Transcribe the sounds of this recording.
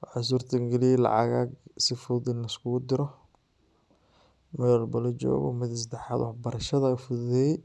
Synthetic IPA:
wʕɑs̬uːrt̪ʰɐŋɡɛlijɛlɑ̰ʕɑ̰ɣaːɡsɪfʊðɪnɐskʰʊɣʊd̪ɪɾɔ | mɛðɔlbɐlɔd͡ʒɔ̰ːɣɔ̰mɪd̪ɪs̬d̪ɛħɑːðwħbɐɾɐʃɐðɐʊfʊððɛj

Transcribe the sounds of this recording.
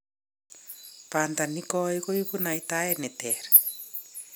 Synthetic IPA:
pand̪anikɔikoikunaitaɛnɛt̪ɛɾɛ

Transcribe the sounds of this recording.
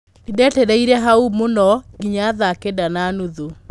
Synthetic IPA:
nidɛteɾɛiɾɛɦaumonɔɡiɲaðakedananuðo

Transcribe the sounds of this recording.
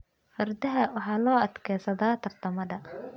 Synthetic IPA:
fɐrd̪ɐɦɐwɑħɑːlɔːɐd̪kʰɛːsɐðaːt̪ʰɐrt̪ʰɐmɐðɐ

